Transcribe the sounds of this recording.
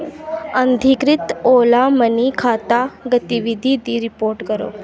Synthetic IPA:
ənd̪ʱikɾit̪olamənikʰat̪aɡət̪iʋid̪ʱid̪iɾipoɾʈkəɾo̰

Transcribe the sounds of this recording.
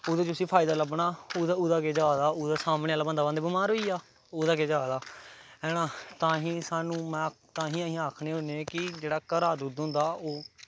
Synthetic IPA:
oːd̪eːt͡ʃʊsiːpʰaːɪd̪aːləbɳaːoaʊd̪aːkeːd͡ʒaːd̪aːʊd̪aːsaːmɽẽːalaːbənd̪aːbãːd̪eːbɪmaːɾɦoːiːaː | oːd̪aːkeːd͡ʒaːd̪aːɛːnãːt̪ãːɦĩːsaːnũːmɛ̃ː | t̪ãːɦĩːəɦĩaːkʰneːɦõneːkɪd͡ʒeːɽaːkəɾaːd̪uːd̪ʊ̃nd̪aːoː

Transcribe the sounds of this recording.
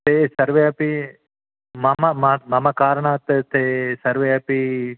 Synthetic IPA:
t̪esɐɾʋeɐpi | mamamamɐmakaːɾɳaːt̪t̪esɐɾʋeɐpi

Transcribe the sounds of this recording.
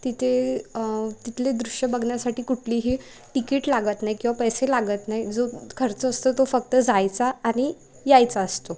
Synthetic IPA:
t̪it̪ʰe | t̪it̪led̪ɾuɕjəbəɡʱɳjasaʈiːkuʈʰliːɦi | ʈikiːʈlaɡət̪naɦikĩw̃ʋapəjselaɡət̪naɦid͡zokʰəɾt͡səːst̪ot̪ofək̚t̪əd͡zajt͡saːñi | jajt͡saəst̪o

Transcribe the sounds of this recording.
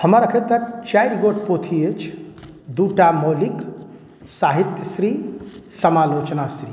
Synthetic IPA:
həmaɾəkʰet̪ɐt͡ʃajɾɡoʈpoːt̪ʰiet͡ʃʰ | d̪uːʈamoːlik | saːɦit̪jəsɾiːsəmaːloːt͡ʃnasɾi

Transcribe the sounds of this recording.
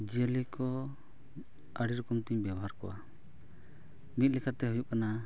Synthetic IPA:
d͡ʒelikɔ | əɽiɾukɔmt̪iɲbjɛbɔɦaɾkɔ̰wa̰ | mit̪̚ˀlɛkʰat̪ɛɦujuʔkana

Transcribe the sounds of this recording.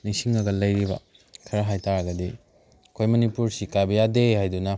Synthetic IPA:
nisiŋɐɡɐlɐjɾibɐ̰ | kʰɐɾɐɦajtaɾɐɡɐdi | kʰojmɐnipuɾsikabɐjadehajdunɐ

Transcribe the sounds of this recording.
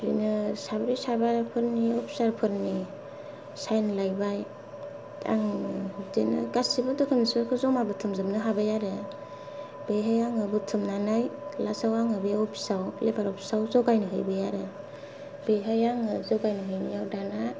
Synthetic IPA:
binɯsabɾisabaɾpʰɯɾniɔpʰi̥saɾpʰɯɾni | sajnlajbaj | tʰa̰ŋhudenɯ̰ɡasibɯtɯkʰɯmnisaɾkʰɯzɔmabɯtʰɯmzɯmnɯɦabajaɾe | b̥eɦajaŋɯbɯtʰɯmnanajlasawaŋɯbeɔpʰi̥sawlebʰaɾɔpʰi̥sawzɔɡajnɯɦɯjbɯjaɾe | beɦajaŋɯzɔɡajnɯɦɯjnɯjawdana

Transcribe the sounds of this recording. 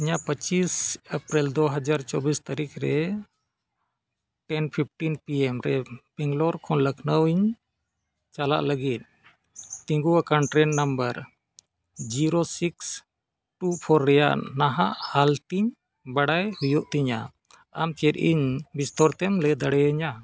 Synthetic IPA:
iɲapət͡ʃisəpɾild̪ɔɦad͡ʒaɾt͡ʃɔbist̪aɾikʰɾɛ | ʈɛnpʰip̚ʰʈinpiɛmɾɛb̥ɛŋɡlɔɾkʰɔnləknəwiɲ | t͡ʃala̰ʔləɡit̪̚ | t̪iŋɡuwakanʈɾɛnːambəɾ | d͡ʒiɾosiks | ʈupʰɔɾːɛja̰ʔnaɦaʔhalt̪iɲ | baɽajhujɔʔt̪iɲa | amt̪ʰɛt̪ḭɲbist̪ɔɾt̪ɛmlɛd̪aɽɛəɲa

